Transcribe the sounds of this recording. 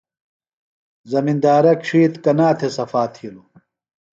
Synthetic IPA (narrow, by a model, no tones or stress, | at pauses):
zɐmind̪aːɾɐkʂiːt̪kɐnaːt̪ʰesɐfaːt̪ʰilu